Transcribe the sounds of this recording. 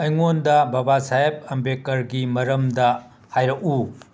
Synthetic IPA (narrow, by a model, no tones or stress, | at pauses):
ɐjŋondɐbɐbasajep̚ɐmbekɐɾɡimɐɾɐmdɐ | hajɾɐʔu